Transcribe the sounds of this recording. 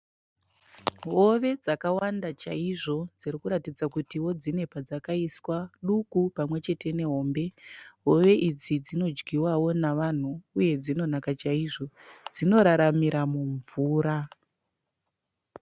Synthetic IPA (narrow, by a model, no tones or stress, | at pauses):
ɦo̞ʋe̞d͡zakawandat͡ʃaiʐo̞d͡ziɾikuɾatid͡zakutiwo̞d͡zine̞pad͡zakaiswaɗukupamwe̞t͡ʃe̞te̞ne̞ɦo̞ːmbe̞ɦoʋe̞ʔid͡zid͡zino̞d͡ʒɡiwawo̞naʋan̤uːje̞d͡zino̞nakat͡ʃaiʐo̞ | d͡zino̞ɾaɾamiɾamuɱvuːɾa